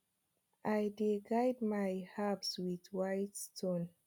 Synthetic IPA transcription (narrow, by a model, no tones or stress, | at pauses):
ʔajdeɡajdmajhapswiðwajtstʰõn